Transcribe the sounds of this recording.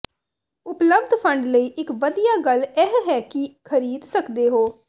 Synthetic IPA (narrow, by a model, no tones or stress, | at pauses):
ʊpləbd̪ʱpʰəɳɖləiːʔɪkʋəd̪ijaːɡəlɛɦɦɛːkɪkʰəɾiːd̪səkd̪eːɦoː